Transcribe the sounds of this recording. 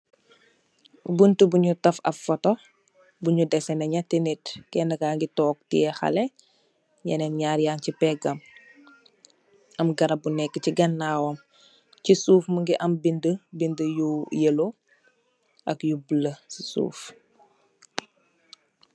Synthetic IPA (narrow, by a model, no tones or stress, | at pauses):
buntubuɲutɐfɐ̰ffɔtɔ | buɲudɛsɛnɐɲɐtenetkɛndɐkaːŋɡitɔːk̚tiɛxɐ̰lɛ | ɲɐnɛmɲaːɾjaːncipɛɡɐm | ɐmɡɐɾɐbunɛkːəciɡɐnːaːwɐm | cisuːfməŋɡiʔɐmbindəbindəjujelo | ʔɐkjubuləsisṵːf